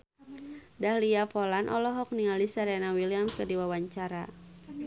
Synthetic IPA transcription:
dahliafɔlanʔɔ̰lɔɦɔk̚niŋalisəɾɛnawiliamkərdiwawaɲt͡ʃaɾa

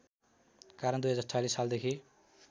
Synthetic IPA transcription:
kaɾʌnd̪ujɦʌd͡zat͡salisːald̪ekʰi

